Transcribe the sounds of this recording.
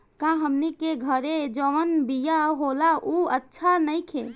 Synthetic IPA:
kãɦəmnikeɡʱəɾed͡ʒəʋənbijaɦolauətːʃʰanəjkʰe

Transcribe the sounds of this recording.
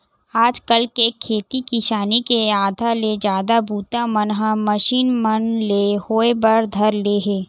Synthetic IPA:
aːd͡ʒkəlkekʰːeːt̪ikiʃaːnikeaːd̪ʱaled͡ʒaːd̪abuːt̪amənɦãməʃiːnmənlehoːebəɾd̪ʱɐɾleːɦeː

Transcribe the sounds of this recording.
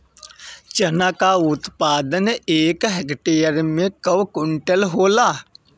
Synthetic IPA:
t͡ʃənakaʊt̪paːd̪əneːkɦekʈeːjəɾmẽkəwkʊɳʈəlɦoːlaː

